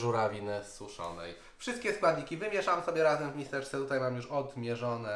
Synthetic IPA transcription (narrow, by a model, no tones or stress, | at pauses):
ʐuɾavʲinɘsuʂɔ̰nɛ̰j | fʂɘst̪kʲɛskwad̪ɲikʲivɘmʲjɛʂamsɔbʲjɛɾazɛmvmʲist̪ɛɾst̪ʲɛt̪ut̪ajmamjuʂɔd̪mʲjɛʐɔnɛ